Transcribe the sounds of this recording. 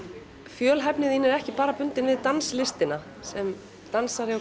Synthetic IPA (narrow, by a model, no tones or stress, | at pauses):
fjœːlɦɛpnɪðinɛɾɛhcɪpaːɾapʏnt̪ɪnvɪðt̪anslɪst̪ɪna | sɛm | t̪ansaɾɪɔ